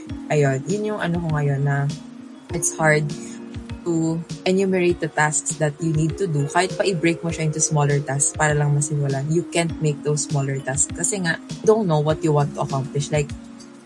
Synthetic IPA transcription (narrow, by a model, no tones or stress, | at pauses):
ʔɐjonjʊnjʊŋʔɐ̰nokoŋɐjonːɐ | ʔɪt̪shaɹd̪̚t̪uʔɐnjumɛɹejt̪̚d̪ɐt̪asksd̪ɐt̪̚junid̪̚t̪ʊd̪ukaːjɪt̪̚pɐʔɪbɹejk̚moʃɐʔɪnt̪ʊsmɔlɛɹt̪aspaːɾɐlɐŋmɐsɪmulanjukɛ̃nt̪̚mejk̚d̪owsːmɔlɛɹt̪askɐsɛŋaʔd̪õwnt̪nowwɐt̪̚jʊwãnt̪ːʊʔɐkawmplɪʃlajk̚